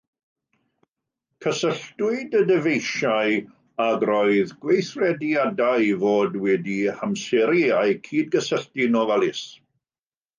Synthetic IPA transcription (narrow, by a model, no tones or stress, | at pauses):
kʰəsəɬtwʊɨdədəvejʃaj | aɡrɔjðɡwejθrɛdjadajvoːdwɛdihamsɛɾjaɨkʰiːdɡəsəɬtinɔvalˠɪs